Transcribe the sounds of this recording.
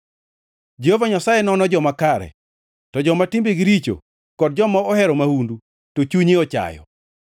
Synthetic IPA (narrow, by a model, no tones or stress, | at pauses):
d͡ʒehovaɲasajɛnɔnɔd͡ʒɔmakaɾɛ̰ | tɔd͡ʒɔmatimbeɡɪɾit͡ʃo̰ | kɔd̚d͡ʒɔmaɔhɛɾɔmahundu | tot͡ʃuɲiɔt͡ʃa̰jɔ̰